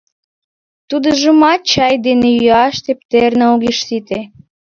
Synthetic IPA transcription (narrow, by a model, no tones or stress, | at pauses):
t̪ud̪ə̆ʒəmɑt͡ɕɑjd̪enejyɑʃt̪ep̚t̪ernɑuɣeʃsit̪e